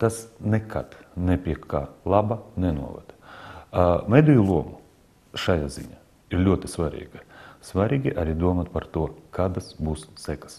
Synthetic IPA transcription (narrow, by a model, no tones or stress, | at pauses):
t̪asnɛka̰t̪nɛpʲiɛkkːaːlˠabanɛnṵɔʋa̰d̪̥ | mɛjd̪ujulˠuɔmu | ʃajaziɲʲaː | iɾlʲuɔt̪ɪsvaɾʲḭːɡɐsvaɾʲiːɡʲiʔaɾʲid̪uɔmat̪paɾt̪uɔkaːd̪asbuːssɛkḁs